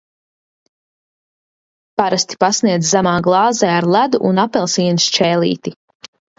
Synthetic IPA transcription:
paɾast̪i̥pasniɛd̪zzæmaːɡlˠɑːzɛaɾlˠæd̪uʔunapɛlˠsiːnst͡ʃɛːlˠḭːt̪i

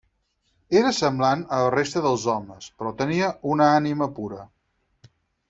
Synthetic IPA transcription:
eɾəsəmblanələrest̪əðəlˠzɔməspɾɔt̪əniəʔunəaniməpuɾə

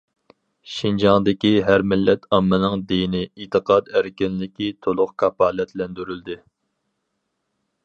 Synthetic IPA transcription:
ʃind͡ʒɑŋd̪ɪkʲiɦæɾmɪlːɛt̪ʰɑmːɨnɨŋd̪ijnɪit̪ʰɨqʰɑːd̪æɾkʲinlɪkʲit̪ʰolˠʊqkʰɑpɑːlɛt̪lɛnd̪yɾyld̪ɪ

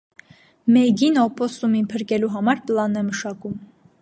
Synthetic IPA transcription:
mɛɡinɔpɔst̪uminpʰəɾkɛluɦɑmɑɾplɑnːɛməʃɑkum

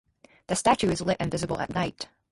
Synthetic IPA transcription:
ðɨstæt͡ʃʉɨzlɛɾʔɨ̃nvɪzɨbl̩ˠə̰tⁿnaɪt

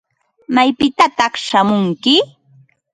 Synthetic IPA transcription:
majpɪt̪at̪ɑχʃamʊŋkɪ

